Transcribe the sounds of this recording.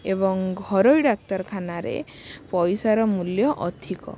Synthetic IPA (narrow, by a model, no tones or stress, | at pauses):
ebɔŋɡʱɔɾojɖak̚tɔɾkʰanaɾḛ | pɔjsaɾɔmuljɔʔɔd̪ʱʰikɔ̰